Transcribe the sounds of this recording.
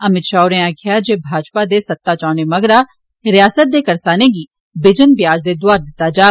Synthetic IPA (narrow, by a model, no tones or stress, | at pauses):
əmɪt̪ʃaːʊɾẽaːkʰɪjad͡ʒeːbʱaːd͡ʒpad̪eːsɐt̪ːaːt͡ʃaːɳemɐɡɾaː | ɾɪjaːsət̪̚d̪eːkɐɾsaːneːɡiː | bɪd͡ʒənbɪjaːd͡ʒd̪eːd̪ʊaːɾd̪ɪt̪ːaːd͡ʒaː